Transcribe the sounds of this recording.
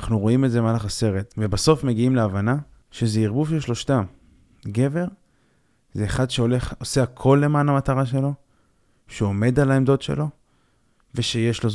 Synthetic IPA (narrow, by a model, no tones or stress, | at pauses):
aχnuʁo̞imetzemalaχase̞ʁet̪ve̞baso̞fme̞ɡiimleavana | ʃezeiʁbufʃeʃlo̞ʃtam | ɡe̞ve̞ʁ | zeːχad̪ʃeoleχoseakʰo̞lːe̞maːnamat̪aʁaʃ̬e̞lo̞ | ʃeome̞d̪alaemd̪otʃḛlo̞ | ve̞ʃe̞jeʃlo̞